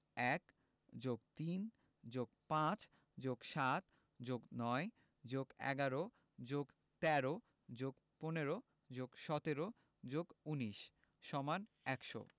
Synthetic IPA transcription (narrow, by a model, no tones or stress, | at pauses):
ɛk | d͡ʑoɡt̪in | d͡ʑoɡpãt͡ɕ | d͡ʑoɡʃat̪ | d͡ʑoɡnɔe | d͡ʑoɡɛ̰ɡaɾo | d͡ʑoɡ | t̪ɛɾo | d͡ʑoɡ | poneɾo | d͡ʑoɡʃɔt̪eɾo | d͡ʑoɡuniʃ | ʃɔman | ɛkʃo̰